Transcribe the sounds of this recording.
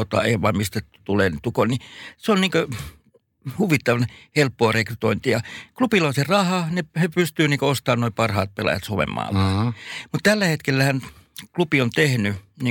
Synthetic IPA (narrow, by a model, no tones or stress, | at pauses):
ot̪ɑ̰ːˑeiʋʋɑimist̪æt̪uleːnit̪ukonniseonniːŋkø | huʋit̪ːɑʋɑnhelpːoːrekryt̪oint̪ijɑklupilːˑonserɑhɑnehepyst̪yːniːŋkoost̪ɑːnnoipɑrhɑ̰ːt̪̚pelɑ̰jɑ̰t̪soʋḛmːɑ̰ːʋɑmut̪t̪ælːæhet̪kelːæhænklupiont̪ehnyniː